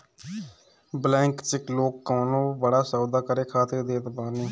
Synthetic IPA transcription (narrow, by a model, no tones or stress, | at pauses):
blɛ̃ːŋkt͡ʃɪkloːkːoːnõːbəɽaːsəːd̪aːkəɾeːkʰaːt̪ɪɾd̪eːt̪baːneː